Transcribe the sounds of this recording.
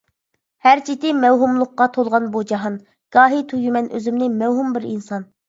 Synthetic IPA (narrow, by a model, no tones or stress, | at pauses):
hæɾt͡ʃʰit̪ɪmɛwɦumlˠʊqːɑt̪ʰolˠʁɑnbud͡ʒɑɦɑn | ɡ̥ɑːɦit̪ʰujymɛnʔøzymnɪmɛwɦumbɪɾinsɑn